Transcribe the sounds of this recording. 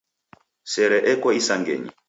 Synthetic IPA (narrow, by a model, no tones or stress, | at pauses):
sɛɾɛʔɛkwɔisaŋɡɛ̰ɲḭ